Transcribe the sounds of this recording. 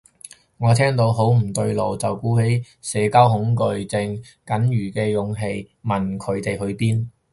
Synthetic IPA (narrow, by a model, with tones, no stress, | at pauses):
ŋɔː˨˧t̪ʰɛː˥ŋt̪o˨˧wɦo˨˥wm̩˨˩t̪ɵ˧ɥlo˨wt͡sɐ˨wkuː˨˥he˨˥j | sɛː˨˧kaː˥wɦʊ˨˥ŋkɵ˨˧ɥt͡sɪ˧ŋ | kɐ˨˥njyː˨˩kɛː˧jʊ˨˧ŋɦe˧j | mɐ˨nkʰɵ˨˧ɥt̪e˨jɦɵ˨˧ɥpiː˥n